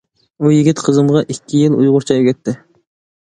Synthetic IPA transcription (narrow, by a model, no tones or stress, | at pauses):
ujiɡʲit̪qʰəzɨmʁɑʔikʲʰːijilˠṵjʁʊɾt͡ʃʰɑjkʲʰɛt̪ʰːɪ